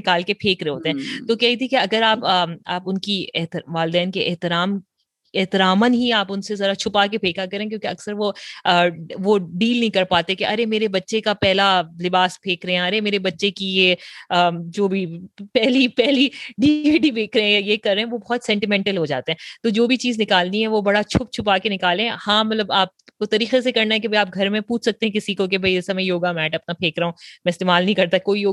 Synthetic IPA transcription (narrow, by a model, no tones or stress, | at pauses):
ɪkaːlkepʰeːkɾẽɦoːt̪eɦɛ̃ːt̪oːkɛɦit̪ʰikeɐɡəɾaːpəaːpʊnkiɛɦt̪ʋaːlɪd̪ɛːnkeʔɪɦt̪ɪɾaːm | ɛɦt̪ɪɾaːmənɦiaːpʊnsezɐɾat͡ʃʰʊpakepʰeːkakɐɾẽːkjõːkeɐksəɾʋoəʋoɖiːlnɐɦĩkɐɾpaːt̪ekeʔɐɾemeːɾebɐtːʃekapɛɦlalɪbaːspʰeːkɾɐɦɛ̃ɐɾemeːɾebɐtːʃekijeəːd͡ʒoːbʱipɛɦlipɛɦliɖiːʋiɖibʱeːkɾeɛ̃jajekɐɾːẽɦɛ̃ʋobɔːt̪sɛ̃ːɳʈɪmɛ̃ɳʈəlɦod͡ʒa̰ːt̪eɦɛ̃ːt̪oːd͡ʒoːbʱit͡ʃiːznɪkaːlniɦɛʋobɐɽat͡ʃʰʊp̚t͡ʃʰʊp̬akenɪkaːlẽɦɛ̃hãːmɐt̪ləbaːp̚kot̪ɐɾiːxesekɐɾnaɦɛk̬ebʱɐiaːp̚ɡʱɐɾmẽpuːt͡ʃʰsɐk̚t̪ẽɦɛ̃kɪsikok̬ebʱɐiɪsɐmẽjoːɡamɛːʈɐpnapʰeːkɾɐũːmɛ̃ɪst̪eːmaːlnɐɦĩkɐɾt̪aɛkoːijoː